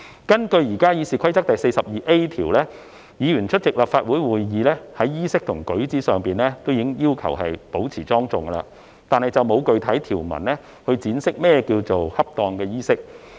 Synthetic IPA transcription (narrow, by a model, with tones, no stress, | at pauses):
kɐ˥nkɵ˧ɥjiː˨˩kaː˥jiː˨˧siː˨kʷʰɐ˥jt͡sɐ˥k̚t̪ɐ˨jse˧jsɐ˨p̚jiː˨ʔe˥t̪ʰiː˨˩wlɛː˥ | jiː˨˧ɥyː˨˩nt͡ʃʰɵ˥t̚t͡sɪ˨k̚laː˨˩pfaː˧t̚wuː˨˥jwuː˨jːiː˨lɛː˥hɐ˨˥jːiː˥sɪ˥k̚t̪ʰʊ˨˩ŋkɵ˨˥ɥt͡siː˨˥sœː˨ŋpiː˨nlɛː˥t̪o˥wji˨˥ŋjiː˥wkʰɐ̰˨˩wɦɐ̰˨jpo˨˥wt͡sʰiː˨˩t͡sɔː˥ŋt͡sʊ˨ŋ˧la̰ː˧ | t̪aː˨nhɐ˨jt͡sɐ˨wmo˨˧wkɵ˨ɥt̪ʰɐ˨˥jt̪ʰiː˨˩wmɐ̰˨˩nlɛː˥ | hɵ˧t͡siː˨˥nsɪ˥k̚mɛː˥kiː˧wt͡so˨whɐ˥p̚t̪ɔː˧ŋkɛː˧jiː˥sɪ˥k̚